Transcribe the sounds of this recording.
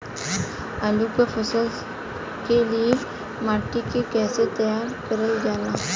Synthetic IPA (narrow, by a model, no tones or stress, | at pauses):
əluːkafəsəl | kelie | maːʈikekɛːset̪ɐjaːɾkəɾəld͡ʒaːlaː